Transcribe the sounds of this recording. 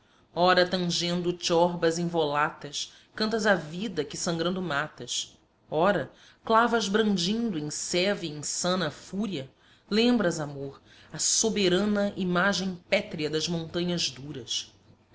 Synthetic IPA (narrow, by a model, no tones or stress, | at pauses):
ɔɾɐt̪ɐ̃ʒẽnd̪ʊt͡ʃɔɾbɐzẽj̃volat̪ɐs | kɐ̃nt̪ɐzavid̪ɐkɪsɐ̃ŋɡɾɐ̃nd̪ʊmat̪ɐʃ | ɔɾɐ | klavɐzbɾɐ̃nd͡ʒĩnd̪ʊẽj̃sɛviẽjsɐ̃nɐfuɾiɐ | lẽmbɾɐzamoɾ | ɐsobeɾɐ̃nɐʔimaʒẽj̃pɛt̪ɾiɐd̪ɐzmõnt̪ɐ̃ɲɐzd̪uɾɐs